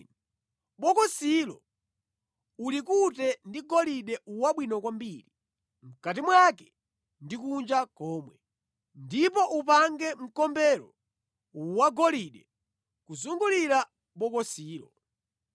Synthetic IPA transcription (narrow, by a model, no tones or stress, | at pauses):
ɓɔkɔsilɔ̰ | ulikutɛndiɡɔliɗɛuwaɓwinɔkwambiɾi | m̩kat̬imwakɛ̥ | ndikund͡ʒakɔːmwɛ | ndipɔʔupaŋɡɛm̩kɔmbɛɾɔ | uwaɡɔliɗɛ | kuzuŋɡuliɾa | ɓɔkɔsiːlɔ̰